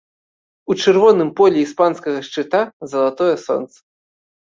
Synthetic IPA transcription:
ut͡ʂɨrvɔnɨmpɔlʲɛispanskɐɣɐʂt͡ʂɨt̪azɐlˠat̪ɔjɛsɔ̰nt̪sɐ̥

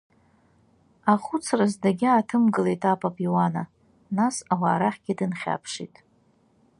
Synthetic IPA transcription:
aχʷʊt͡sʰrazdaɡʲaːtʰɨmɡɨlejtʼapʼapʼiwana | nasawaːɾaχʲɡʲɪdɨnχʲa̰pʰʂḭtʼ

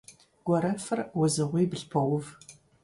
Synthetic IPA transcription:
ɡ̥ʷɔɾɐfɨrwʊzɨʁʷiːbɨɬpʰɐwʊv

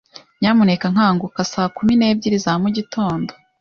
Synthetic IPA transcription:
ɲaːmunekaŋ̥haːŋɡukasaːkumine̞ːb̚ɟiɾizamuɟitʰo̞ːndo

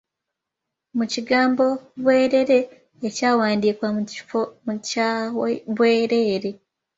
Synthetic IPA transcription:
muciɡaːmbo̞βwe̞ːɾe̞ɾe̞ː | caːwaːndiːkwamuci̥fomu | βweːɾe̞ːɾe̞

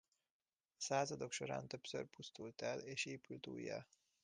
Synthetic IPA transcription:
ɒsaːzɒd̪o̞kʃo̞ɾa̰ːnt̪øpsø̰rpust̪ult̪ɛleːʃeːpylt̪ṵːjːɒ̰

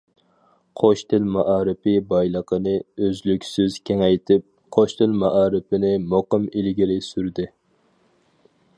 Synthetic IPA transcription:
qʰoʃt̪ʰɪlmɑʔɑːɾɪpɪbɑjlˠəqʰənɨøzlykʲsyz̥kʲʰeŋɛjt̪ʰɪp̚ | qʰoʃt̪ʰɪlmɑʔɑːɾɨpɪnɪmoqəmilɡʲiɾɪsyɾd̪ɪ

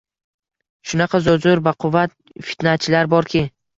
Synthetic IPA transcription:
ʃʊnɑqʰɑzʊzʊɾvaqʰʊvat̪̚ | fi̥t̪nat͡ʃʰɪlaɾbɒɾkʲɪ

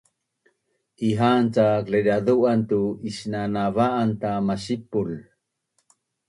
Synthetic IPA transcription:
ʔiɦant͡sakledaðuʔantuisnanavaʔːntamaɕipul

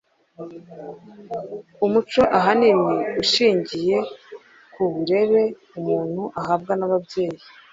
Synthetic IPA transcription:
umut͡ʃo̞ʔaɦanimiuʃiːɲɟije̞ | kuβuɾe̞βe̞ | umuːn̥huʔaɦab̚ɡanaβabje̞ːji

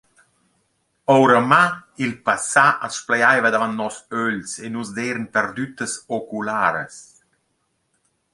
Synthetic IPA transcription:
ɔwɾəmailpasaʔasplɛjajvəd̪avant̪̚nɔsøʎsenusd̪eːɾənpɛɾd̪yt̪əsokulaːɾə̰s

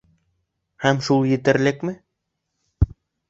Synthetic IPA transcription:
hæmʃulˠjɘ̆t̪ɘ̆ɾlɘkmɘ

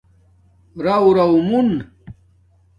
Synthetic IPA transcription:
ɾawɾɐwmun

